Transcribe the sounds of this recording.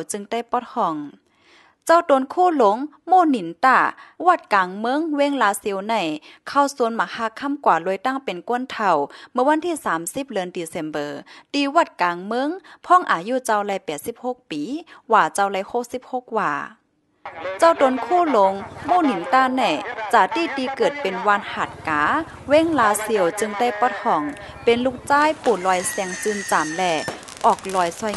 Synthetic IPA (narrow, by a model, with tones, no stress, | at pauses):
t͡ɕɯ˧ŋt̪a˧˩jpɔ˧˩t̪̚hɔ˧˩ŋ | t͡ɕa˧˨wto˨˦nkʰuː˧˥˨lo˧˦ŋmoː˧˩˨ni˨˩˦nt̪aː˧˩wa˧˩t̪̚kaː˨ŋmɤ˧˥˨ŋweː˧˥˨ŋlaː˧si˧˨wna˧˩˨jkʰa˧˩wsu˧˦nmaː˨˧˦kʰaː˧˩kʰa˧˥˨mkwaː˨˩lo˧˨jt̪a˧˥˨ŋpe˨nku˧˥ə˨nt̪ʰa˧˩wmɯ˧˨wa˧˥˨nt̪ʰiː˧˥˨saː˨˦msi˧˦p̚lɤː˧˨nd̪iː˨˩se˧˩mbɤː˨˦t̪iː˧wa˧˩t̪̚kaː˨ŋmɤ˧˥˨ŋpʰɔː˧˥˨ŋʔaː˨˩juː˧˨t͡ɕa˧wla˧˩jpɛː˨˩t̪̚si˧˥p̚ho˧˥˦k̚piː˨˦waː˧˩t͡ɕa˧wlɛ˧˥jho˧˥k̚si˧˥p̚ho˧˥k̚waː˧˩ | t͡ɕa˧˩wt̪o˧˦nkʰuː˧˥˨lo˧ŋmuː˧˩˨ni˨˦ŋt̪aː˧˥˨nːa˧˩˨jt͡ɕaː˧˩t̪iː˧˩t̪iː˧kɤː˨˩t̪̚pe˨nwaː˧˥˨nha˧˩t̪̚kaː˨˦ | we˧˥˨ŋlaː˨˧si˧əwt͡ɕɯ˧ŋda˧˥˨jpɔ˧˥t̪ʰɔː˨˩ŋ | pe˨nluː˧˩k̚t͡ɕaː˧˥˨jpuː˨˩lɔː˧jsɛː˧ŋsɯː˧˨nt͡ɕaː˨mlɛː˧˩ | ʔɔː˨˩k̚lɔː˧jsɔ˧˩j